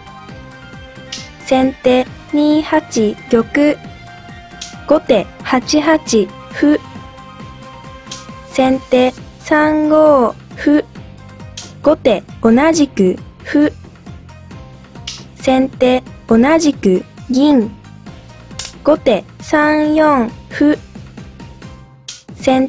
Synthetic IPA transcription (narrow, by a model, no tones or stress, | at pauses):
sẽ̞nt̪e̞ːɲ̟iːhat͡ɕijʲo̞kɯ̟ | ɡ̥o̞t̪e̞hat͡ɕiɦat͡ɕi | ɸɯ̟ | sẽ̞nt̪e̞ː | sãŋɡo̞ː | ɸɯ̟ | ɡ̥o̞t̪e̞o̞naʑikɯ̟ɸɯ̟ | sẽ̞nt̪e̞ːo̞naʑikɯ̟ɡʲĩŋ | ɡ̥o̞t̪e̞sãɰjõ̞ŋɸɯ̟ | sẽn